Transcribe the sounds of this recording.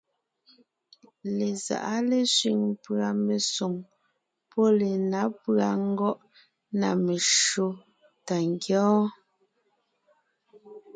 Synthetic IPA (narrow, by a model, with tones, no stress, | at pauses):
le˨za̰˨ʔa˦le˨sɥi˨ŋpɰa˨me˨su˨ŋ | pɔ˦le˨na˨˦pɰa˨ŋ̩˦ɡɔ˦ʔ | na̰˨me˨ʃo˦ | ta˨ŋ˨ɡjɔː˦